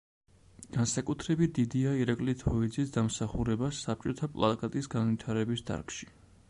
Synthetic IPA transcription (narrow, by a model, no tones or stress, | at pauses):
ɡ̥ansakʼut̪ʰɾɛbit̪̚ʰd̪id̪iaiɾakʼlit̪ʰɔid̪zisd̪amsaχuɾɛbasːap̚t͡ʃʼɔt̪ʰapʼlˠa̰kʼat̪ʼisɡanvit̪ʰaɾɛbisd̪a̰ɾkʰʃi̥